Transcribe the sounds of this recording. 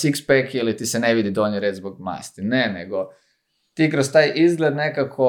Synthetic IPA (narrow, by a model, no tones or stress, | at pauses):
sikspekilit̪iseneʋid̪id̪oɲiɾet͡ʃzboɡ̚ma̰ːst̪ineneɡo̞ | t̪iːkɾost̪aːjizɡlʲed̪nekakʰo